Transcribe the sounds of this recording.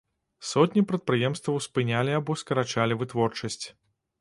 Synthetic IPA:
sɔt̪ʲnʲipɾɐt̪̚pɾɨjɛmst̪vɐwspɨnʲalʲiabɔskɐɾat͡ʂalʲivɨt̪vɔrt͡ʂɐsʲt͡sʲ

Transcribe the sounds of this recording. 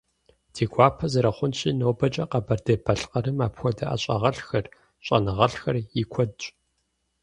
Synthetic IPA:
d̥ʰeːɡʷaːpʰɐzɐɾɐχʷʊnɕʼiːnowbɐt͡ʃʼɐqɐbɐrdeːbʰɐɬqɐɾɨmaːpxʷɔdɐʔɐ̰ɕʼɐ̰ʁɐɬxɐr | ɕʼɐ̰nɨʁɐɬxɐrjikʷʰɔdɕʷʼ

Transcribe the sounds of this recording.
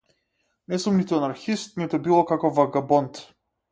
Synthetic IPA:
nɛsumnit̪uanaɾxist̪̚nit̪ubilˠɔkakɔvaɡabɔnt̪

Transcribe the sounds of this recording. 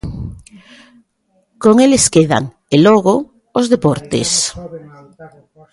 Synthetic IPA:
koŋeleskeða̰ŋ | eloɣo | ozðepoɾt̪ḛs

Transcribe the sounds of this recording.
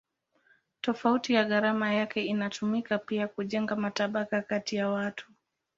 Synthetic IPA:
tɔfautijaɣaɾamajakɛinatumikapiakuʄɛŋɡamataɓakakatijawatʰu̥

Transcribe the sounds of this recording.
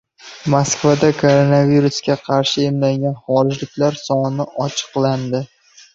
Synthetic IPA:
maskvad̪akʰoɾonaviɾuskʲaqʰɑɾʃɪemlaŋɡʲanχɒɾɪd͡ʒlɪkʲlaɾsɒnnɪʔɒt͡ʃʰɨ̥qland̪ɪ

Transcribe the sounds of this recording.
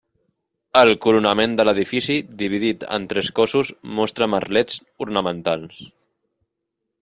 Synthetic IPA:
əlˠkuɾunəmend̪ələð̞ifisiðiβ̞iðit̪ə̰nt̪ɾɛskɔsuzmɔst̪ɾəməɾlɛt͡s | uɾnəmənt̪alˠs

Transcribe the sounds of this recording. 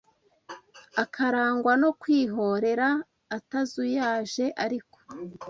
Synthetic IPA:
akʰaɾaːŋɡwano̞kwiːɦo̞ɾe̞ɾaː | tazujaːʒe̞ʔaɾiko̥

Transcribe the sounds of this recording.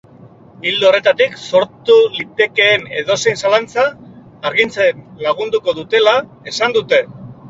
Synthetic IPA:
ild̪uore̞t̪at̪ikso̞ɾt̪ulit̪e̞ke̞ːne̞̰ðo̞se̞jnsalant͡saː | ɾɣint͡senlaɣ̞und̪uko̞ðut̪e̞la | e̞sand̪ut̪e̞

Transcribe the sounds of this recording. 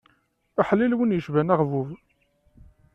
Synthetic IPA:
aħəlːilwənjəʃvænaʁvuv

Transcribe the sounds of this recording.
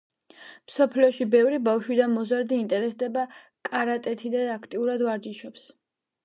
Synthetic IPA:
msɔpʰliɔʃibɛvɾibafʃwid̪amɔzaɾd̪iːnt̪ʼɛɾɛsd̪ɛba | kʼaɾat̪ʼɛt̪ʰid̪aakʰt̪ʼiuɾad̪vaɾd͡ʒiʃɔps

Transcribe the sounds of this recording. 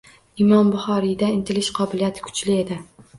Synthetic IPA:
ɪmɒmbʊχɒɾid̪aɪnt̪ʰɪlɪʃqʰɒbɪlijat̪ʰɪ̥kʰʊ̥t͡ʃlɪe̞d̪ɪ

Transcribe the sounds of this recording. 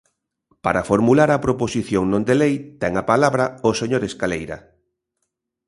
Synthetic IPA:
paɾafoɾmulaɾɐpɾoposiθjoŋnõnd̪elejt̪ɛŋapalaβɾɐoseɲoɾeskalejɾɐ̰

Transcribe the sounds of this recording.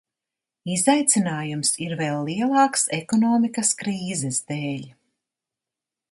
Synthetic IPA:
izajt̪sinaːjumsiɾvɛlːiɛlˠɑːksekɔnɔːmikɐskɾiːzɛsd̪eːlʲ

